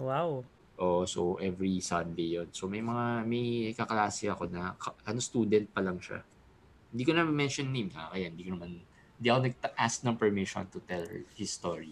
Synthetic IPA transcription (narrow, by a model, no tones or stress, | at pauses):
waw | ʔoːʔosoʔɛvɹisɐnd̪ejjonsomɐjmɐŋamɐjɐkɐklaːsɪɐko̞nɐkɐʔɐnost̪uːd̪ɛnt̪̚pɐlɐŋʃa̰ | hɪnd̪iːkonɐmɛnʃonːejma̰kɐjahnd̪iːkonɐman | hɪnd̪iːʔɐkonɐɡ̚ʔask̚nɐŋpɛɹmiʃo̰nt̪ʊt̪ɛl̰hɪst̪oɹi